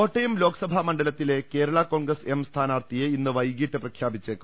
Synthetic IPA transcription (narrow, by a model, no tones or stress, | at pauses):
oːʈːɐjumlo̞ːkɐ̥sɐbʱɐmɐɳɖɐlɐt̪ːile̞ke̞ːɾɐɭɐko̞ːɳɡɾɐsemst̪ʰaːnaːrt̪ijeinːɨʋɐjɡiːʈːɨprɐkʰjaːbit͡ɕːekːu